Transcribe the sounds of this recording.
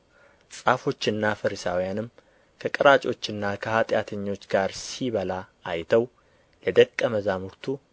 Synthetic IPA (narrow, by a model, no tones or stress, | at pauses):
sʼafo̞t͡ʃːɨnːafɨɾisa̰wijanɨm | kʰəkʼɨɾat͡ʃʼo̞t͡ʃːɨnːakʰəhat̪ʼjat̪ʰəɲːo̞t͡ʃːɡaɾsiβəlaː | jt̪ʰəw | ləd̪əkʼːəməzamuɾt̪ʰu